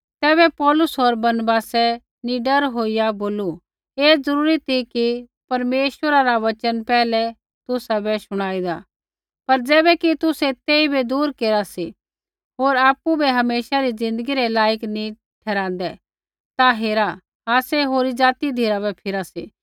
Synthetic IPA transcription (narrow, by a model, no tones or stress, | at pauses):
t̪ɛːβɛpɔːlʊsɦoːɾbɐɾnbaːsɛ | niɖɐɾɦoːijaboːlu | eːd͡zɐɾuːɾit̪ʰiki | pɐɾmeːʃwəɾaɾaʋɐt͡ʃənpɛːlɛ | t̪ʊsabɛsʊɽ̃aːid̪a | pɐɾd͡zɛːbɛkit̪ʊsɛt̪eːibed̪uːɾkeːɾasi | ɦoːɾaːpːubʱɛɦɐmeːʃaɾid͡zɪ̃nd̪əɡiɾɛlaːjəkni | ʈʰɛːɾãːn̆d̪ɛ | t̪aɦeːɾa | aːsɛɦoːɾid͡ʒaːt̪id̪ʱiːɾabɛpʰɪɾasḭː